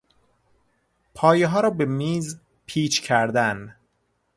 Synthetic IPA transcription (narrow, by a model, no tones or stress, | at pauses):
pʰɒːjeɦɒːɾɒːbe̞miːz | pʰiːt͡ʃcʰæɾd̪æn